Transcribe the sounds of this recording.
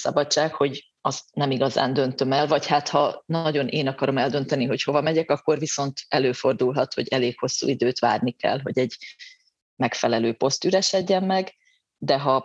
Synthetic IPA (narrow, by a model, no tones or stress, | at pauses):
sɒ̰bɒt͡ʃːaːkho̞ɟ | ɒznɛmiɡɒza̰ːnd̪ø̞nt̪ø̞mɛlvɒchaːt̪hɒnɒɟo̞nʔeːnɒkɒɾo̞mɛld̪ø̞n̪t̪ɛniɦo̞cho̞vɒmɛɟɛkɒkːo̞rviso̞nt̪ɛløːfo̞rd̪ulɦɒt̪ho̞̰ɟɛleːkho̞sːṵid̪øːt̪va̰ːrnikɛ̰lɦoɟɛɟ | mɛkfɛlɛløːpo̞st̪yɾɛʃɛɟːɛmːɛɡ | d̪ɛɦɒ